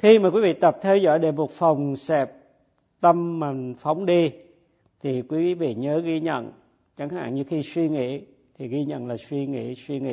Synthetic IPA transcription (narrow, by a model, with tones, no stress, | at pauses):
xi˧maː˨˩kwi˨˦vḭ˧˨t̪ə˨˩p̚t̪ʰɛ˧wzɔ̰˧˥˨jɗe˨˩mo˨˩t̚fə˨˩wŋ͡msɛ˨˩p̚ | t̪ə˧mma˨˩ŋfa˨˦wŋ͡mɗi˧ | t̪ʰi˨˩kwi˨˦vḭ˧˨ɲəː˨˦ɣi˧ɲə̰˧˨n | t͡ɕa˨˦ŋha̰ː˧˨nɲɨ˧xi˧swi˧ŋḭ˧˥˨ | t̪ʰi˨˩ɣi˧ɲə̰˧˨nlaː˨˩swi˧ŋḭ˧˨swi˧ŋḭ˧˨